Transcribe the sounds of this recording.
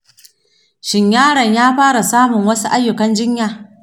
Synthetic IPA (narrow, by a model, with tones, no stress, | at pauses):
ʃɪ˨ɲjaː˦ɽɐ˨ɲjaː˦ɸaː˦ɽa˨saː˦mʊ˨ŋwɐ˦su˦ʔa˦jːʊ˨kɐ˦nd͡ʒɪ˦ɲjaː˨